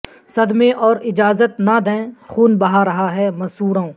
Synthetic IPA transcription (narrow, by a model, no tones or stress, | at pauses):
sɐd̪mẽʔɔːɾɪd͡ʒaːzət̪nad̪ɛ̃xuːnbɐɦaɾɐɦaɦɛmɐsuːɾõː